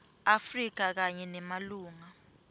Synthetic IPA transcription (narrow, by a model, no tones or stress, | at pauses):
afrik̬ak̬aɲɛnɛmaluːŋa